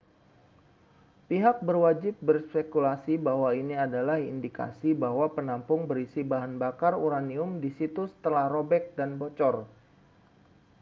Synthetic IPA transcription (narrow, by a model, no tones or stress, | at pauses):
piɦak̚bərwad͡ʒɪp̚bərspekulasibaɦwainiadalahḭndika̰sibahwapənampʊŋbərisibaɦanbakaruɾaniʊmdisit̪usə̥t̪əlahrobɛk̚danbot͡ʃɔr